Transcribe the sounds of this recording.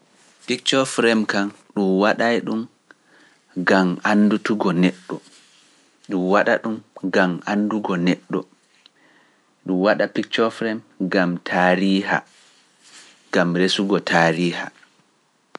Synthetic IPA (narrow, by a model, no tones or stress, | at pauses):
pikt͡ʃɔfɾɛmkan | ɗumwaɗajɗum | ɡamanːdutuɡɔnɛɗːɔ | ɗumwaɗa̰ɗumɡamanduɡɔnɛɗːɔ̰ | ɗumwaɗapikt͡ʃɔfɾɛmɡamtʰaːɾiːha̰ | ɡamɾesuɡɔtʰaːɾiːha̰